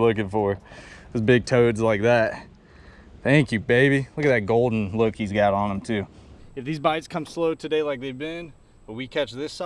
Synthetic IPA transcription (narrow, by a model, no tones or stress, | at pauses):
lʊkɪ̃ŋfə˞ðoʊzbɪɡ̚tʰoʊdzlaɪk̚ðæt̚ | θæ̃ŋkjʉbeɪbilʊkɨt̚ðɨt̚ɡ̥oʊlˠdⁿn̩lʊkhizɡɑɾn̩ə̃m̩tʰʉɨfðizbaɪdz̥kʰʌ̃msloʊtʰɨdeɪlaɪk̚ðeɪvbɪ̃n | b̥ʌt̚wikʰæt͡ʃðɪs